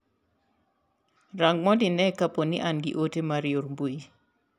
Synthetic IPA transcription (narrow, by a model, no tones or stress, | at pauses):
ɾaŋɡmɔdinɛkaponɪ̰ʔanɡɪ̰ʔotemaɾjoɾmbui